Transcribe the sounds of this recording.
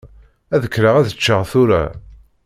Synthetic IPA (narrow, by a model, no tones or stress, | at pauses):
æðəkːɾaʁæðət͡ʃːəʁθʊɾa̰